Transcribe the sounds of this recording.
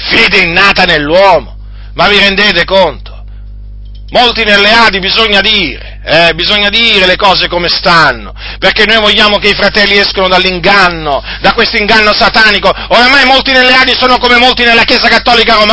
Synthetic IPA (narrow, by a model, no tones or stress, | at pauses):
feːd̪einːaːt̪anelːwɔːmo | maviɾend̪eːt̪ekont̪o̥ | molt̪inelːeaːd̪ibizoɲːad̪iːɾḛ | ɛbizoɲːad̪iːɾelekɔːzekomest̪anːo̰ | perkɛnːojvoʎːaːmokeifɾat̪ɛlːiɛskanod̪alːiŋɡanːo | d̪akwest̪oiŋɡanːosat̪aːnikooɾamajmolt̪inelːeaːd̪isoːnokomemolt̪inelːakjeːzakat̪ːɔːlikaɾom